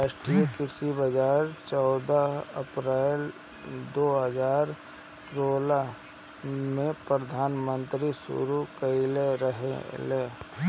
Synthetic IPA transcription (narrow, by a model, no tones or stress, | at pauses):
ɾaːʃʈɾiekɪsibəd͡ʒaːɾt͡ʃɔːd̪aəpɾɛl | d̪oːɦəd͡ʒaːɾ | ɾoːla | mẽpɾəd̪ʱaːnmə̃nt̪ɾisṵɾukəileɾəɦeleː